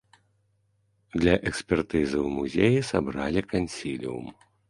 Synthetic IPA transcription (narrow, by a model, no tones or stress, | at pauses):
d̪lʲɐʔɛksʲpʲɛrt̪ɨzɨwmuzʲejisabɾalʲikanʲsʲilʲḭṵm